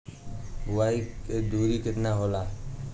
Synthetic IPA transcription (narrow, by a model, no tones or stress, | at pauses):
ʊwaːiked̪uːɾiːkɪt̪naːɦoːlaː